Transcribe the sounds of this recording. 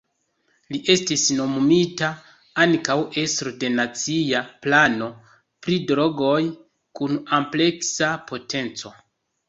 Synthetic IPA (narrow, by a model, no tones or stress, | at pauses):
liʔe̞stisno̞mmita | ankawe̞stɾode̞nat͡siaplano̞ | pɾidɾo̞ɡo̞j | kunample̞ksapʰo̞tʰe̞nt͡so̞